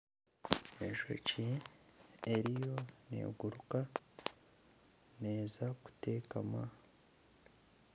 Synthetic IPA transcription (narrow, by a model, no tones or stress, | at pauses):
eʒo̰ci | eɾijo̞ne̞̰ːɡuɾuka | ne̞ːzaku̥te̞ːkama